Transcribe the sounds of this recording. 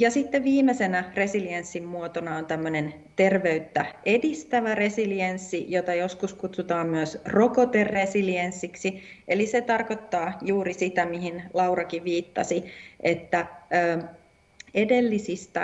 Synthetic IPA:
jɑsit̪ːeʋiːmesenære̞siliensːimmuot̪onɑont̪æmːønen | t̪e̞rʋe̞yt̪ːæe̞dist̪æʋære̞siliensːijo̞t̪ɑjo̞skuskut̪sut̪ɑːmmyøsro̞kot̪eresiliensːiksi | ʔeliset̪ɑrko̞t̪ːɑːjuːɾisit̪æmiɦinlɑwrɑkiʋiːt̪ːɑ̰siʔet̪ːæøː | e̞de̞lːisist̪æ

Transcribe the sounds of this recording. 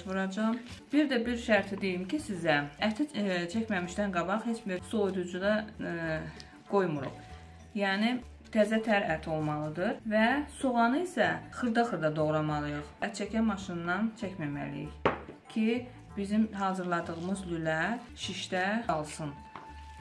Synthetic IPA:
ʃvuɾɑd͡ʒɑmb̥iɾd̪æbiɾʃæɾt̪ʰid̪ejimcʰisizææt̪ʰit͡ʃʰæcmæmiʃt̪ænɡɑbɑχhet͡ʃbiɾsojd̪ud͡ʒud̪ɑ | ɡ̥o̞jmuɾo̰χ | jæːni | t̪ʰæzæt̪ʰæɾæt̪ʰo̞lˠmɑlˠɯd̪ɯɾvæsuʁɑnɯisæxɯɾd̪ɑχɯɾd̪ɑd̪o̞ʁɾɑmɑlˠɯjɯχæt̪̚t͡ʃʰæcʰæmɑʃɯnːɑnt͡ʃʰæcmæmæ̰lḭḭçcʰi | b̥izimɦɑːzɯɾlˠɑd̪ɯɣɯmɯzlylæ | ʃiʃt̪æɑlˠsɯn

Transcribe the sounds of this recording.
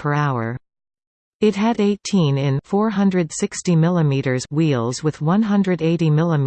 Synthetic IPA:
pʰə˞aʊə̰˞ | ɨt̚ɦɨɾeɪtʰĩnɪ̃nfɔɹɦʌ̃ndɹɨd̥sɪkstimɪlˠəmiɾə˞zwilˠzwɨð̥wʌ̃nɦʌ̃ndɹɨɾeɪɾimɪlˠəm

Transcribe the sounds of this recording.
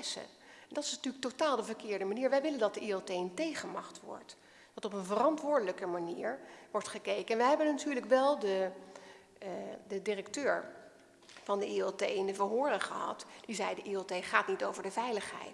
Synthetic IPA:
sə̰ | ɛndɑtɪ̥snatyːlək̚totaːlˠdəvəɹkɪːɹdəmaniːɹʋɛjʋɪləndɑtdəʔiɛltejəntejχənmɑχtʋɔ̰ɹt | d̥ɑtɔpənvərɑntʋʊːɹdələkəmaniːɹʋɔɹtχəkejkəɛnʋɛjɦɛbənatyːɹləkʋɛlˠdə | dədɪrəktøːɹ | vɑndəʔiɛtejɪndəvəɹɦʊːrəχəɦɑ̰td̥izɛjdəʔiotejχaːtnitowvəɹdəvɛjləχɦɛ̰jt

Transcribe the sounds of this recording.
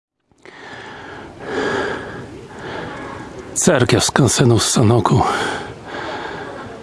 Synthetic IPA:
t̪sɛɾkʲjafskansɛnusanɔkʰu

